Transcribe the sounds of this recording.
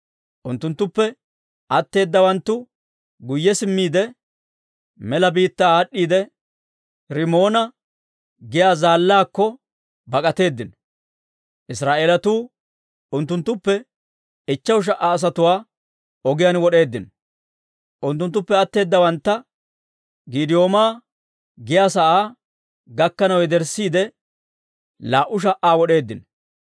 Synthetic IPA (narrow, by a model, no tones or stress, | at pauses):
ʔʊnt̪ːʊnt̪ːʊpːɛ | ʔɐt̪ːe̞ːd̪ːɐwɐnt̪ːʊ | ɡʊjːɛsɪmːiːd̪ɛ | mɛlɐbiːt̪ːaːɗːiːd̪ɛ | ɾɪmo̞ːnɐ | ɡɪjaːzaːlːaːkːɔ | bɐkʼɐt̪e̞ːd̪ːɪn | ʔɪsɾaːʔe̞ːlɐt̪uː | ʊnt̪ːʊnt̪ːʊpːɛ | ɪt͡ʃːɐwʃ̬ɐʔaːs̬ɐt̪ʊwaː | ɔɡɪjɐnwɔɗe̞ːd̪ːɪn | ʔʊnt̪ːʊnt̪ːʊpːɛɐt̪ːe̞ːd̪ːɐwɐnt̪ːɐ | ɡiːd̪ɪjo̞ːmaː | ɡɪjaːsɐʔaː | ɡɐkːɐnɐwɛd̪ɛɾsːiːd̪ɛ | laːʔʊʃ̬ɐʔaːwɔɗe̞ːd̪ːɪn